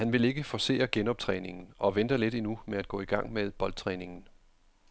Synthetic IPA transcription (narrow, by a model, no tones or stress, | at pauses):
hænʋe̝le̝ɡ̥əfɒse̝̰ːɐɡ̥enɒ̽b̥̚t͡sʰʁɛ̰ːne̝ŋn̩ɒ̽ʋend̥ɐled̥inumeæd̥̚ɡ̥ɔ̰̽ːiɡ̥ɑ̈ŋ̰meðˠb̥ɒ̽ld̥̚t͡sʰʁɛːne̝ŋn̩